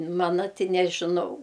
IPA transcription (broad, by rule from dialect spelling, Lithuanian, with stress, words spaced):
ˈmɑːnɐ ˈtʲɪ nʲɛʒʲɪˈnɐʊ